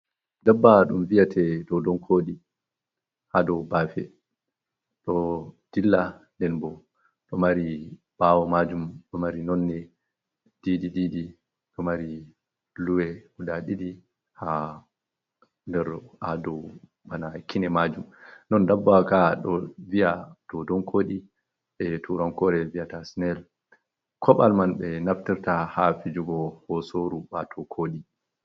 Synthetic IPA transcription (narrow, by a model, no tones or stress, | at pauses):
dabːaɗumvijatʰɛdɔdɔnkʰoːɗi | hadɔbaːfɛ | ɗɔd̥ilːandɛnbɔ | ɗɔmaɾi | b̥aːwɔmad͡ʒumɗɔmaɾinɔnːɛ | d̥ididiːdi | ɗɔmaɾi | luwɛudaɗiɗi | ha | ndɛɾadɔw | banakinɛmad͡ʒumnɔndabːakaɗɔvijatɔdɔnkʰoːɗi | ɛtuɾɔnkɔɾɛviatasnɛl | kʰɔɓa̰lmanɓɛnaftiɾtahafid͡ʒuɡɔhɔsoɾubatʰɔkʰoːɗi